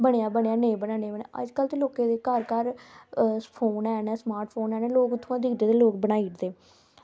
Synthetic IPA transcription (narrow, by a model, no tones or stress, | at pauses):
bəɽejaːbəɳejaːnẽbəɽaːnẽːbən̰ːʔə̰d͡ʒkəlt̪eːloːkẽːd̪eːkəɾkəɾ | pʰoːnɛːnɛːsmaːɾʈpʰoːnɛːnɛːloːkʊt̪ʰːõãːd̪iːd̪ed̪eːloːkbəɽaːiːʈd̪eː